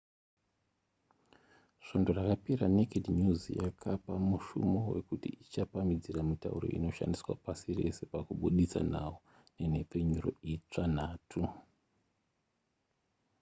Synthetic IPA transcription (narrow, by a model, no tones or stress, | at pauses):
ʃo̞ndo̞rakapiɾanekediɲuzjakʰapamuʃṵmo̞we̞̰kutiʔit͡ʃapamid͡ziramita̰uɾo̞̰ḭno̞ʃa̰ndiswa̰pasire̞se̞pakuɓuɗisa̰nawo | ne̞ne̞pe̞ɲuro̞̰it͡ʂan̤aːtʰu